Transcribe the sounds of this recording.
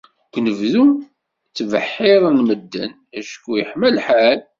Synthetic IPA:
kʷnəvðum | t͡sːvəħːɪðˤnməd̪ːə̰n | æʃkːujəħməlħal

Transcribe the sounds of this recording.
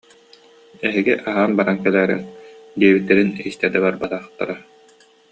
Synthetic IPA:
ɛɦiɡiʔaɦaːnbaɾankɛlɛːɾɛ̰nd̪iɛbit̪ːɛɾinist̪ɛd̪ɛbaɾbat̪aːχt̪ːa̰ɾa

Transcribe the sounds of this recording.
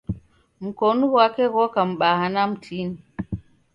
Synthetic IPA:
m̩kɔnuwakɛɣɔkam̩ɓahanam̩tʰini

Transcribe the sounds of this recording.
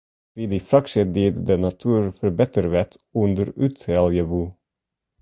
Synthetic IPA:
ʋiːd̪ifɾɑkʃəd̪iːd̪d̪enɑt̪ʰʉːɾfœɾbɛt̪əɾʋɛt̪ | ʉnd̪əɾʉt̪ɛljəʋu

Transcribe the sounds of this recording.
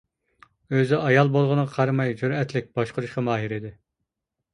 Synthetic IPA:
øzɪʔɑjɑlˠbolˠʁʊnɨqʰɑɾmɑjd͡ʒuɾɛt̪ʰlɪk̚ʲbɑʃqʰʊɾuʃqʰəmɑːɦiɾɪd̪ɪ

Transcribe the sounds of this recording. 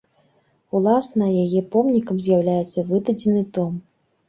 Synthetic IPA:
ulˠasnɐjajɛpɔmnʲikɐmzʲjawlʲajɛt̪sːɐvɨd̪ɐd͡zʲɛnɨt̪ɔm

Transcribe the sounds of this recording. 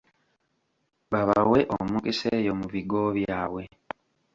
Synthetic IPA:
βaβawe̞ʔo̰mukisejo̞muviɡo̞βjaːwe̞

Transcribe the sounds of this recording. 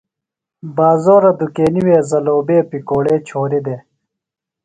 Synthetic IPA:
baːzoːɾɐd̪ukeːniweːzɐloːbeːpikoːɽeːt͡ɕʰoːɾid̪eː

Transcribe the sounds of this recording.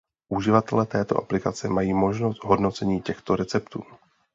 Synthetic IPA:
ʔuʒɪvat̪ɛlɛːt̪ɛːt̪o̞ʔaplɪkat͡sɛmajiːmo̞ʒno̞st̪ɦo̞dno̞t͡sɛɲiːcɛxt̪o̞ɾɛt͡sɛpt̪ṵː

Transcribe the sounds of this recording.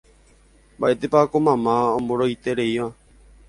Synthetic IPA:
mbaʔet̪epakomãmãõmboɾoit̪eɾeiʋã

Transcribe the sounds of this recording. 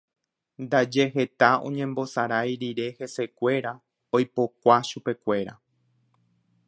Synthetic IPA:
nd̪ad͡ʒe̞ɦe̞t̪aõ̞̰ɲẽ̞mbo̞saɾajɾiɾe̞he̞se̞kʷe̞ɾa | ojpo̞kʷaʃupe̞kʷe̞ɾa̰

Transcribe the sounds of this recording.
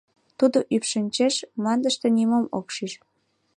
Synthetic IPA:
t̪ud̪oʔypʃənʲt͡ɕeʃmɑnd̪əʃt̪ĕnimomokʃiʃ

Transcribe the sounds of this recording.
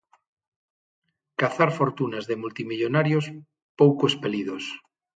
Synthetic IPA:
kaθaɾfoɾt̪unazðemult̪imiʎonaɾjos | powkoespeliðos

